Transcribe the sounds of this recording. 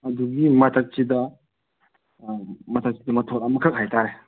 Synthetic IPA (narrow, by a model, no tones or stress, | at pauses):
ɐd̪uɡimɐt̪ʰak̚t͡ʃid̪ɐ | mɐt̪ʰak̚t͡ʃid̪ɐmɐtʰɔtamɐkʰɐk̚ɦajt̪ʰaɾe